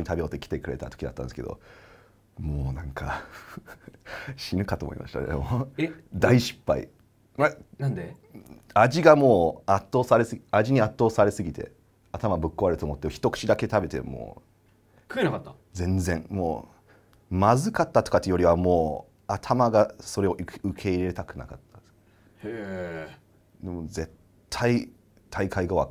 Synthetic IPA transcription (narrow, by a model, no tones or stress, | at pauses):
oɲit̪abeot̪ːekʲi̥t̪e̞kɯ̟ɾe̞̰t̪at̪o̥kʲid̪a̰t̪ːã̰nesɨked̪o̞̰ | moːnãŋkʰa̰ | ɕinɯ̟kat̪oːmo̰ḭma̰ɕi̥t̪a̰d̪ḛmod̪aiɕi̥pːa̰ḭ | manand̪e | aʑiɡamo̞ːat̪ːo̞ːsaɾe̞sɨaʑiɲ̟iat̪ːo̞ːsaɾe̞sɨɡʲit̪e̞̰ | at̪amabɯ̟kːo̞aɾɯt̪oːmot̪ːeçi̥t̪o̞kɯ̟̥t͡ɕid̪ake̞t̪abe̞t̪e̞̰mo̰ː | kɯenakat̪ːa | d͡zẽ̞nzẽ̞ɴmo̰ː | mazɨkat̪ːat̪o̞kat̪ːejo̞ɾʲiβamo̞ː | at̪ʰamaɡaso̞ɾe̞o̞ɯkʰe̞iɾe̞t̪akɯ̟na̰kat̪ːḁs | e | d̪emo̞ze̞t̪ʰːai | t̪ʰaikaiɡaβa̰